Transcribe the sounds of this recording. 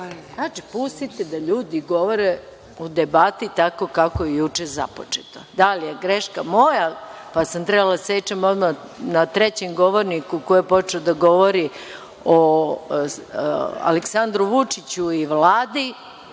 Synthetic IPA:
znat͡ʃipust̪it̪ed̪aʎuːd̪iɡo̞ʋo̞ɾe | ud̪ebat̪it̪ako̞kakojejut͡ʂeza̰pot͡ʂet̪od̪alije̞ɡɾeʃkamo̞japasamt̪ɾɛbalad̪aset͡ʃamod̪ma | nat̪ɾet͡ɕemɡo̞ʋoɾnikukojepo̞t͡ʃeod̪aɡo̞ʋo̞ɾi | o | a̰leksand̪ɾuʋut͡ʂit͡ɕuiʋlaːd̪i

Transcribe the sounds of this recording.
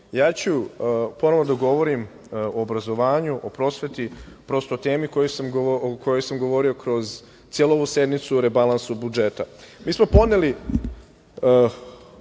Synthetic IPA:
jaːt͡ɕupo̞noʋnod̪aɡo̞ʋo̞ɾim | oːbɾazo̞ʋaːɲuʔopɾo̞ːsʋe̞t̪ipɾo̞ːst̪oːt̪eːmiko̞josamkʰojojsamɡo̞ʋo̞ɾio̞kɾo̞z | t̪ijeluo̞ʋuse̞d̪nit̪suɾe̞balˠansubud͡ʒet̪amiːsmo̞po̞neli

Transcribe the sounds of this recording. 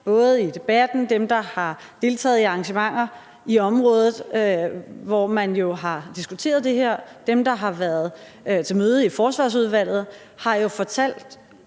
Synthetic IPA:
b̥ɔ̽ːð̩ˠid̥e̝b̥æd̥n̩d̥emd̥ɑ̈hɑ̈ | d̥e̝lt͡sʰɛ̰ːð̩ˠiɑ̈ŋɕəmɑ̈ŋ̰ɐ | iɒ̽mʁɔ̽ːð̞ˠð̩ˠ | ʋɒmænjo̝ɦɑ̈d̥isɡ̥ut͡sʰe̝̰ːɐðˠd̥e̝ɦeɐ̰d̥emd̥ɑ̈ɦɑ̈ʋæɐð̞̩ˠ | t͡sʰe̝lmøːð̞̩ˠifɒːsʋɑ̰̈ːs̬uð̞ˠʋæl̰ð̞̩ˠ | hɑ̈jo̝fɒ̽t͡sʰæl̰d̥

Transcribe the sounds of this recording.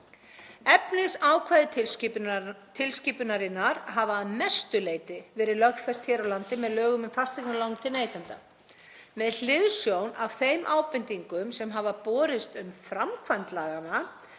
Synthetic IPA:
ɛpnɪsaːwkʰvaːjðɪ | t̪ʰɪlsciːpʏnaɾɪnːaɾ̥ɦavaðmɛst̪ʏleːjt̪ɪvɛːɾɪlœxfɛst̪çɛːɾawlant̪ɪmɛðlœːɣʏmʏmfast̪iknalaːwnmt̪ʰɪlneːjt̪ant̪a̰ | mɛðl̥ɪðsjownav̥θejmʔaːwpɪnt̪iŋkʏmsɛmɦavapɔːɾɪst̪ʏmfɾamkʰvant̪laːɣana

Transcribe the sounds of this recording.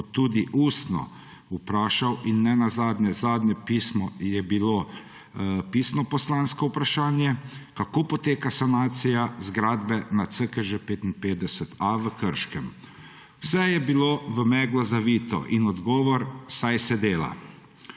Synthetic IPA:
ɔt̪ːuːd̪iʔuːst̪nɔ̰ | upɾaːʃawinːɛnazaːd̪nʲɛzaːd̪nʲɛpismɔjɛbilo | pisnɔpɔslanskɔwpɾaʃaːnjɛkakoːpɔt̪eːkasanaːt̪sijazɡɾaːd̪bɛnat̪səkɛʒəpeːt̪inpeːd̪ɛsət̪aʋəkəɾʃkɛm | wsɛjɛbiloːʋəmɛːɡlɔzaʋiːt̪ɔ̰ʔinɔd̪ɡɔːʋɔɾsajsɛd̪eːla̰

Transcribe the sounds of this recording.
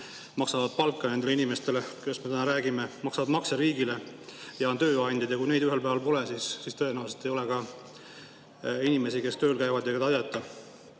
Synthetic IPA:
mɑksɑvɑd̪̥̚pɑlkːɑne̞nd̪eleinime̞st̪e̞lekujesme̞t̪ænɑɾæːɡime̞mɑksɑvɑd̪mɑkseɾiːɡile̞ | jɑnt̪ø̞ːɑnʲd̥̪id̪̥jɑkujne̞jd̪yɦe̞lpæːvɑlpo̞lesisːist̪ɤ̞e̞næwse̞lt̪ːˑe̞jo̞lekɑ | inʲime̞sike̞st̪ø̞ːlkæjvɑd̪jɑɡɑt̪ɑjɑt̪ːˑɑ

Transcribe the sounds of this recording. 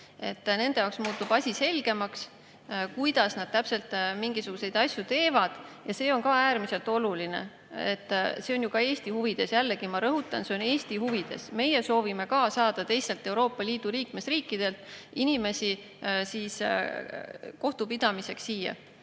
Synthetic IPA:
e̞̰t̪ːne̞nd̪e̞jɑwksmuːt̪ːub̥ɑsʲise̞lɡ̥e̞mɑks | kujd̪̥ɑsnɑd̪̥̚t̪æpse̞lt̪ˑmiŋɡ̥isuɡ̥use̞jd̪ɑsʲjut̪e̞ːvɑd̪̥jɑse̞ːonkɑæːɾmise̞lt̪o̞luline̞̰ | ḛt̪ːse̞o̞njukɑe̞ːsʲt̪ihuvid̪̥e̞sjælːeɡimɑɾɤɦut̪ːˑɑnse̞o̞ne̞ːsʲt̪ihuvid̪̥e̞̰sme̞je̞so̞ːvime̞kɑsɑːd̪̥ɑt̪e̞jstːelt̪ːˑe̞uwɾo̞ːpːˑɑliːd̪̥uliːkme̞sriːkːˑid̪̥e̞lt̪ˑinime̞si | siːs | ko̞ht̪upid̪̥ɑmise̞ksːiːjɑ̰

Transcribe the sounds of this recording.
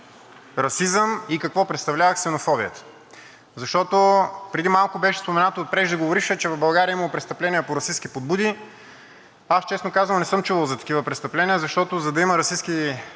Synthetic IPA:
ɾɐsizəmikɐkvɔpɾɛt̪st̪ɐvlʲavəxsɛnofɔbiət̪ə̥ | zɐʃt̪ɔt̪opɾɛd̪imalˠkʊbɛʃɛ̥spomɛnat̪oːt̪̚pɾɛʒd̪əɡovoɾiʃɛt͡ʃɛvɐvbɐlˠɡaɾiəimɐpɾɛtst̪ɐplɛniəpoɾɐsiskipod̪̚bud̪i | ast͡ʃɛsnokazvəlˠnɛsɤmt͡ʃuvəlˠzɐt̪ɐ̥kivəpɾɛt̪st̪ɐplɛniəzɐʃt̪ɔt̪ozɐd̪ɐiməɾɐsiski

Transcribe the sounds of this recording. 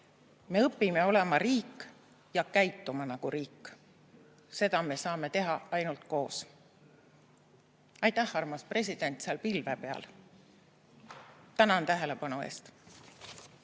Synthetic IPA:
me̞ɤpːime̞o̞le̞mɑɾiːkˑː | jɑkæjt̪ːumɑnɑɡ̥uɾiːkːˑ | se̞d̪ɑme̞sɑːme̞t̪e̞ɦɑɑjnult̪ko̞ːs | ɑjt̪æhːɑrmɑspre̞sʲid̪̥e̞nʲt̪seɑlpilvepe̞ɑ̰l | t̪ːænɑnt̪æɦe̞lepɑnue̞̰ːst̪

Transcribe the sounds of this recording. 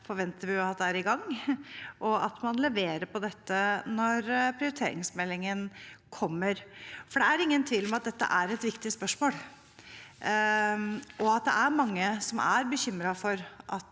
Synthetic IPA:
fɔɾʋɛnt̪əɾʋɪjʊɑt̪̚d̪ɛæɾɪɡɑŋː | ʔɔɑt̪mɑnlɛʋeːɾəɾpʰɔd̪ɛt̪ːənɔɾpʰɾɪʊɾɪt̪ʰḛːɾɪ̰ŋsmɛlːɪŋənkʰɔmːəɾfɔɖɛæɾɪŋːənt̪ʰʋiːlɔmɑt̪̚d̪ɛt̪ːə̰ʔæɾɛt̪ʋɪkt̪ɪspœʂmoːl | ʔɔɑt̪̚d̪ɛ̰ʔæɾmɑŋːəsɔmæ̰ɾbəçʏmːɾɑfɔɾʔɑt̪

